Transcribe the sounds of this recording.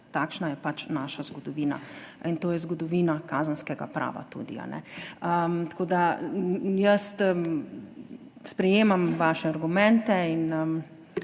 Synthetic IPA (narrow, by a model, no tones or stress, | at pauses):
t̪aːkʃnajɛpat͡ʃnaːʃazɡɔd̪ɔʋiːna̰int̪oːjɛzɡɔd̪ɔʋiːnakaːzənskɛɡa̰pɾa̰ːʋa̰t̪ṵːd̪ḭa̰nɛ̰əmt̪ḁkoːd̪a | jəst̪ | spɾɛjeːmamʋaʃɛaɾɡumɛ̃nt̪ɛin